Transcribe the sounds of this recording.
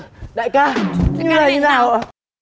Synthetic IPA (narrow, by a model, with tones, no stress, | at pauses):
ɗa̰ː˧˨jkaː˧˩ɲɨ˧ləː˨˩i˧naː˨˩w